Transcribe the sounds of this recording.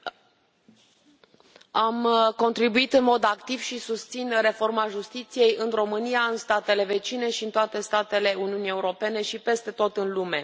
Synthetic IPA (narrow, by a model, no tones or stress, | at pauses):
amko̞nt̪ɾibuit̪ɨnmo̞d̪akt̪iv̥ʃisust̪sinre̞fo̞rmaʒust̪it̪sije̞jɨnro̞mɨnijaɨnst̪at̪e̞le̞ve̞t͡ʃine̞ʃiɨnt̪oat̪e̞st̪at̪e̞le̞uniunije̞uɾo̞pe̞ne̞ʃipe̞st̪e̞t̪o̞t̪ɨnlume̞